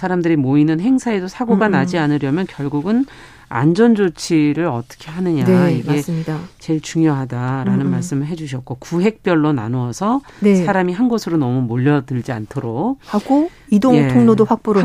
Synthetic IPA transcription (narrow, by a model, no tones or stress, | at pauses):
sʰaɾamdɯɾimoinɯnɦe̞ŋsʰae̞dosʰaɡoɡanad͡ʑianɯɾjʌmjʌnkjʌɭɡuɡɯn | a̰nd͡ʑʌnd͡ʑot͡ɕʰiɾɯɾʌt͈ʌ̥kʰe̞ɦanɯɲaiɡe̞dat͡ɕe̞ɭt͡ɕuŋjoɦadaɾanɯnmaɭs͈ɯmɯɭɦe̞d͡ʑuɕ̬ʰʌt̚k̚k͈okuɦe̞k̚p͈jʌɭːona̰noʌsʰʌ | nesʰaɾamiɦanɡʌsʰɯɾonʌmumoʎːʌdɯɭd͡ʑiantʰoɾok̚haɡoidoŋjetʰoŋnodoɸak̚p͈oɾ